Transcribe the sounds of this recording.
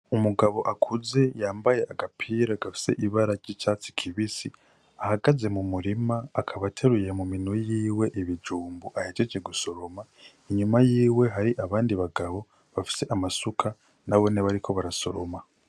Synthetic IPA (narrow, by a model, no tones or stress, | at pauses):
umuɡaβo̞ʔakʰuze̞jaːmbaje̞ʔaɡapʰiːɾaɡafi̥se̞̰ʔiβaɾaɾɟit͡ʃat͡si̥kʰiβisi | ahaɡaze̞mumuɾimaːkʰaβatʰe̞ɾuje̞muminojiːwe̞ʔiβid͡ʒuːmbuʔahet͡ʃed͡ʒeɡuso̞ɾo̞ma | iɲumajiːwe̞ɦaɾiʔaβaːndiβaɡaβo̞ | βafi̥se̞ʔamasukʰa | naβo̞neβaɾiko̞βaɾaso̞̰ɾo̰ma